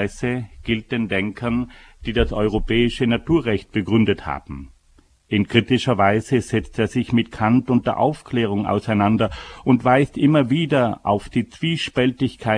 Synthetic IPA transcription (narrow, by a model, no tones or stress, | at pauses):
ɛsəɡ̥ɪlt̚d̥eːndɛŋkʰɐn | d̥iːdasʔɔʏʁopɛːɪʃənatuːɐʁɛçt̚b̥əɡʁʏndətha̰ːb̥m̩ | ʔɪnkʁ̥itɪʃɐvaɪzəz̥ɛt͡steːɐzɪçmɪtkʰantʊnt̚d̥eːɐʔa̰ʊfkʰlɛːʁ̞ʊŋa̰ʊsaɪnandɐʊntv̥aɪstʔɪmɐviːdɐʔa̰ʊfd̥iːt͡sv̥iːʃpɛltɪçkʰaɪ